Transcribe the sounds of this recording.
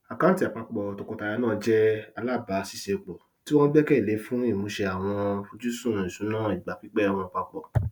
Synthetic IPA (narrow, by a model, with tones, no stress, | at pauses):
a˨kã˨˦ti˦˨a˨k͡pa˧k͡pɔ˨to˨kɔ̃˨˧ta˨˧ja˧nãː˦˧d͡ʒɛ˦a˧la˦˨ba˨˦si˦ʃe˧˨k͡pɔ˨ | ti˦w̃ɔ̃˦n˦bɛ˦kɛ˦i˨le˨˦fũ˦i˦˨mũ˨˦ʃe˧a˨w̃ɔ̃˧fu˧d͡ʒu˦sũ˦˨ɾũ˨i˨sũ˨˦nãː˦˨i˨ɡ͡ba˨fi˨˦k͡pɛ˦˧w̃ɔ̃˧˨k͡pa˧k͡pɔ˨